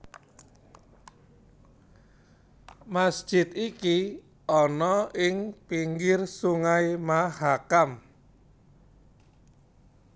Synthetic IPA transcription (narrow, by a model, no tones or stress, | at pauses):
masd̥ʒ̥ɪt̪iki | ʔɔnɔɪŋpiŋɡɪrsuŋaimahakam